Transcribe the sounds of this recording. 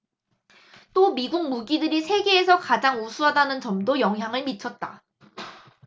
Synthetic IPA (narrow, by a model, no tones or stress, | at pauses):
t͈omiɡuŋ̚muɡidɯɾisʰe̞ɡe̞ːsʰʌkad͡ʑaŋusʰuɦadanɯnt͡ɕʌmdojʌŋɦjaŋɯɭmit͡ɕʰʌt̚t͈a